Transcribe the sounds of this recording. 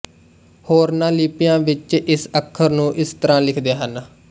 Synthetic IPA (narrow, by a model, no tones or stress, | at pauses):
hoːɾnãːlɪːpɪjãːʋɪt͡ʃʔɪsəkʰːəɾnũːʔɪst̪əɾãːlɪkʰd̪eːɦən